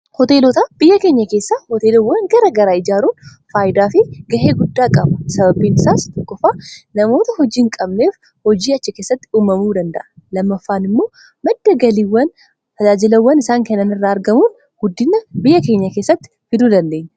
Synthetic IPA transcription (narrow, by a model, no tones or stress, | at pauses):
hɔt̪e̞ːlɔt̪ab̥ɪjːɐke̞ːɲːɐke̞ːsːahɔt̪e̞ːlɔwːɐnɡɐɾɐɡɐɾaːɪd͡ʒaːɾuːn | faːjɪd̪aːfɪɡɐheːɡʊd̪ːaːkʼɐbʊ̥sɐbɐbiːnɪsaːst̪ɔkːɔfaːnɐmo̞ːt̪ɐhɔd͡ʒiːŋkʼɐbne̞ːf | hɔd͡ʒiːɐt͡ʃːɪke̞ːsːɐt̪ːɪ̥uːmɐmuːd̪ɐnd̪ɐ̰ʔɐlɐmːɐfːaːnɪmːo̞ː | mɐd̪ːɐɡɐliːwːɐn | t̪ɐd͡ʒaːd͡ʒɪlɐwːɐnɪsaːŋkɐnːɐnɪrːaːɐɾɡɐmuːn | ɡ̥ʊd̪ːɪnːɐbɪjːɐke̞ɲːɐke̞ːsːɐt̪ːɪ̥fɪd̪uːd̪ɐnd̪e̞ːɲːɐ